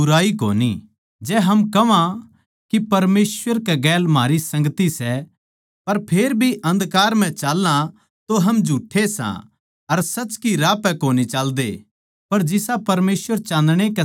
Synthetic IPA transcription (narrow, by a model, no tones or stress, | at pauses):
ʊɾaːiko̰ːnḭ | d͡ʒɛːɦɐmkɐʋã | kipɐɾmeːsʋəɾkɛɡɛːlmaːɾisɐ̃ŋɡt̪isɛ | pɐɾpʰeːɾbʱiʔɐ̃nd̪kaːɾm̤ɛ̃t͡ʃaːlːã | t̪oɦɐmd͡ʒʱuːʈʰːesã̰ | ɐɾsɐt͡ʃkiɾaːpɛ̃koːnit͡ʃaːld̪ḛ | pɐɾd͡ʒɪsapɐɾmeːsʋəɾt͡ʃãːnd̪ɽ̃ekɛ